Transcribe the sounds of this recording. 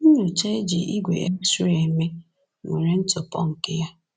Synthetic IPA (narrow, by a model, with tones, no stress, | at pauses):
n̩˦ɲʊ˨t͡ʃa˦e˦d͡ʒi˨ʔi˦ɡʷḛ˨ʔe˦su˦e˨me˦ | ŋḛ˨ɾe˦n̩˦tʊ˨pɔ̰˦ŋ̩˨kɪ˦ja˦